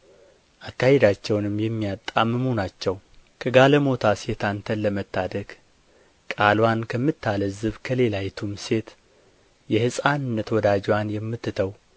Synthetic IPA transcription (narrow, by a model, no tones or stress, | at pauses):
ʔakːahed̪at͡ʃːɛwnɨmjɛmːijat̪ʼːaməmonat͡ʃːɛw | kʰəɡaləmo̞t̪ʰase̞t̪ʰant̪ʰənləmət̪ʰːad̪əɡ | kʼalwankʰəmːɨt̪ːaləzɨβkʰəle̞lajɛt̪ʰumse̞t̪ | jɛhɨsʼanɨnːət̪wɔd̪ad͡ʒwanjɛmːɨt̪ːɨt̪ʰəw